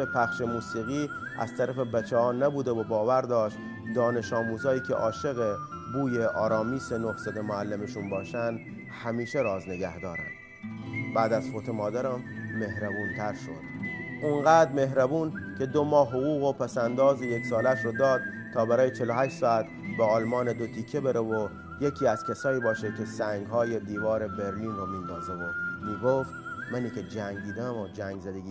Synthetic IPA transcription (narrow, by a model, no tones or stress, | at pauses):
epʰæxʃe̞muːsiːɣiːʔæ̰z̥t̪ʰæɾæfebæt͡ʃʰeɒːnæbuːd̪evobɒːvæɾd̪ɒːʃt̪ | d̪ɒːne̞ʃɒːmuːzɒːiːcʰḛʔɒːʃe̞ɣe̞ | buːje̞ʔɒːɾɒːmiːsenohsæt̪emoælːemeʃunbɒːʃænd̪ | hæmiːʃe̞ɾɒːzne̞ɡæhd̪ɒːɾæ̰nd̪̥ | bæːd̪æzfot̪ʰe̞mɒːd̪æɾæmːe̞hɾæbuːnt̪ʰæɾʃo̞̰d̪̥ʔunɢæːd̪me̞ɦɾæbuːnkʰe̞d̪omɒːhɦoɣuːɣopʰæsænd̪ɒːzejeksɒːlæʃɾod̪ɒːd̪̥̚ | t̪ʰːɒːbæɾɒːjet͡ʃʰe̞loɦæʃt̪sɒːæt̪ | beɒːlmɒːned̪ot̪ʰikʰːebeɾevo | jecʰiːæz̥kʲʰesɒːiːbɒːʃekʲʰe̞sæŋɡɦɒːje̞d̪iːvɒːɾe̞be̞ɾliːnroːmiːnd̪ɒːze̞vomiːɡoft̪mæniːke̞d͡ʒæŋɡd̪iːd̪æmod͡ʒæŋɡzæd̪eɡʲi